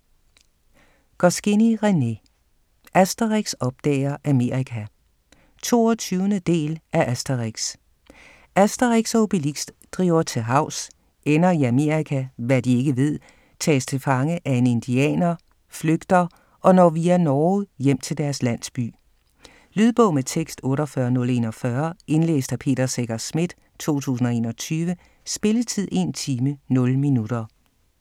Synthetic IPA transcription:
ɡ̥ɒsɡ̥eniʁene̝ | ʔæsd̥ɐʁeɡ̥sɒ̽b̥̚d̥ɛ̰ːɐʔæme̝ɐ̰ʁikʰæ | t͡sʰo̝̰ːɒt͡sʰyːʊnəd̥e̝̰ːlæʔæsd̥ɐʁeɡ̥s | ʔæsd̥ɐʁiɡ̥sɒb̥ilisd̥ | d̥ʁḭːʊ̰ɐt͡sʰe̝ɦɑ̈ʊ̰s | enɐiæme̝ɐʁikʰæʋæd̥ie̝ɡ̥əʋe̝ð̰ˠ | t͡sʰɛ̰ːst͡sʰe̝lfɑ̈ŋəʔæe̝ne̝nd̥iɛ̰ːnɐ | fløɡ̥d̥ɐ | ʔɒ̽nɒʋiːænɒːjem̰t͡sʰe̝ld̥æɐslæn̰sb̥y̰ː | lyðˠb̥ɔ̽ʊ̰met͡sʰeɡ̥sd̥ɔ̽ːɾɒfɶɐnɔ̽le̝nɒ̽fɶɐe̝nlḛːsd̥æpʰe̝̰ːd̥ɐseɡ̥ɐsmid̥ | t͡sʰo̝̰ːt͡sʰṵːs̬n̩ɒ̽e̝̰ːnɒ̽t͡sʰyːʋə | sb̥e̝lət͡sʰið̰ˠe̝nt͡sʰiːmənɔ̽lminud̥ɐ

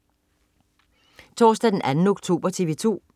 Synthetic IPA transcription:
t͡sʰɒ̰ːsd̥æd̥enʔænn̩ɔ̽ɡ̥t͡sʰo̝̰ːb̥ɐt͡sʰiʋet͡sʰo̝̰ː

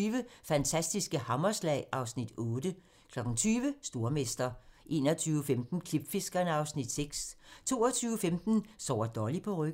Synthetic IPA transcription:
yːʋəfænt͡sʰæsd̥isɡ̥əhɑ̈mɐslɛ̰ɪ̰ʔɑ̈ʊsnid̥ɔ̽ːd̥ə | kʰlɒ̽ɡ̥ŋ̩t͡sʰyːʋəsd̥o̝ɐmesd̥ɐʔe̝̰ːnɒt͡sʰyːʊəfemd̥n̩kʰlib̥fe̝sɡ̥ɐnəɑ̈ʊsnid̥seɡ̥st͡sʰo̝̰ːɐt͡sʰyːʊəfemd̥n̩sɒ̰ʊ̰ɐd̥ɒːlipʰɒ̽ʁœɡ̥

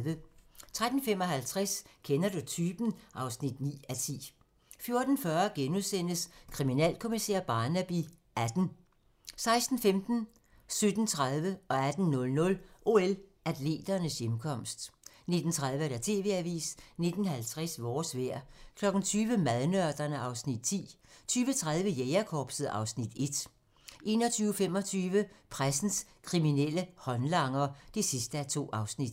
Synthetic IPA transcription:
ʋət͡sʰʁad̥n̩fem̰ɒ̽ɦælt͡sʰʁaskʰenɐd̥ut͡sʰyːb̥n̩ʔɑ̈ʊsnid̥nḭːæt͡sʰḭː | fjo̝ɐd̥n̩fɶɐɡ̥enuðˠsen̰əskʰʁiminɛ̰ːlkʰo̝misḛɐb̥ɑ̈ːnæb̥i | æd̥n̩ | sɑ̈ɪsd̥n̩femd̥n̩ | sød̥n̩t͡sʰʁaðˠʋəɒ̽æd̥n̩nɔ̽lnɔ̽lʔo̝elæd̥le̝̰ːd̥ɐnəsjemkʰɒ̽m̰sd̥ | ne̝d̥n̩t͡sʰʁað̞ˠʋəæɐɾ̥æt͡sʰe̝̰ːʋe̝æʋḭːsne̝d̥n̩hælt͡sʰʁɛsʋɒːsʋeɐ̰kʰlɒ̽ɡ̥n̩t͡sʰyːʋəmæð̞ˠnœɐd̥ɐnəʔɑ̈ʊsnid̥̚t͡sʰḭːt͡sʰyːʋət͡sʰʁað̞ˠʋəjeɪɐkʰɒːb̥səð̩ˠɑ̈ʊsnid̥e̝d̥ | ʔe̝̰ːnɒ̽t͡sʰyːʊəfem̰ɒ̽t͡sʰyːʋəpʰʁasn̩skʰʁiminel̰əhɒ̽nlɑ̈ŋ̰ɐd̥e̝sisd̥əæt͡sʰo̝̰ːʔɑ̈ʊsnid̥

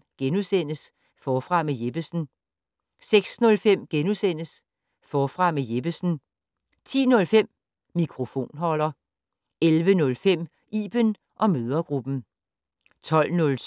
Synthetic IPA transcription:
ɡ̥enusen̰əs | fɒːfʁɑ̈meje̝b̥əsn̩ | seɡ̥snɔ̽lfem̰ɡ̥enusen̰əs | fɒːfʁɑ̈meje̝b̥əsn̩ | t͡sʰḭːnɔ̽lfem̰ː | ikʰʁo̝fo̝̰ːnɦɒ̽l̰ɐ | elʋənɔ̽lfem̰ | ḭːb̥ən | ʔɒ̽møːð̞ˠɐɡ̥ʁub̥n̩ | t͡sʰɒ̽l̰nɔ̽l

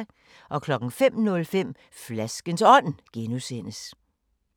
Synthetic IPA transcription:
ʔɒ̽kʰlɒ̽ɡ̥ŋ̩fem̰nɔ̽lfem̰ | flæsɡ̥ənsɒ̽n̰ɡ̥enusen̰əs

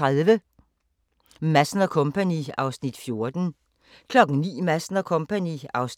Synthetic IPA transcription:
ʁaðˠʋə | mæsnɐkʰɔ̽mpʰæniɑ̈ʊsnid̥fjo̝ɐd̥n̩ | kʰlɒ̽ɡ̥ŋ̩nḭːmæsnɐkʰɔ̽mpʰæniɑ̈ʊs

